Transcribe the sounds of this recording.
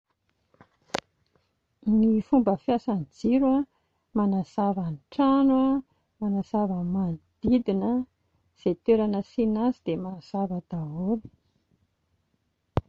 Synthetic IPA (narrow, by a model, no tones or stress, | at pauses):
nifumbəfjasand͡ziɾua | manaz̥avanʈ͡ʂanua | manazavəmad̪̥id̪inə | z̥et̪eɾanəsinazid̪̥emaz̥avəd̪aɦoli̥